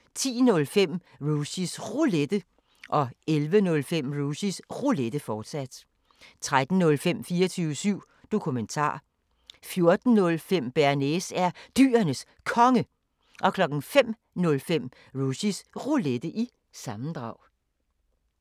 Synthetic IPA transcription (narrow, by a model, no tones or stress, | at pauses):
t͡sʰḭːnɔ̽lfem̰ | ʁuɕisʁuled̥ə | ʔɒ̽elʋənɔ̽lfem̰ʁuɕisʁuled̥əfɒːd̥sæd̥ | t͡sʰʁad̥n̩nɔ̽lfem̰fiːɐɒt͡sʰyːʊəsyʊ̰ | d̥o̝kʰument͡sʰɑ̰̈ː | fjo̝ɐd̥n̩nɔ̽lfem̰b̥æɐnesæɐd̥y̰ːɐnəs | kʰɒ̽ŋə | ʔɒ̽kʰlɒ̽ɡ̥n̩fem̰ | nɔ̽lfem̰ | ʁusisʁuled̥əʔi | sɑ̈mn̩d̥ʁɑ̈ʊ̰